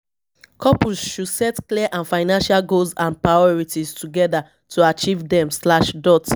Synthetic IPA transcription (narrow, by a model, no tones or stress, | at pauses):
kʰɔpuzʃusɛtkliʔãnfaɪnãnʃalɡolzãnpɹajɔɹitiztʰuɡɛda | tʰuat͡ʃivdɛ̃mslaʃdɔt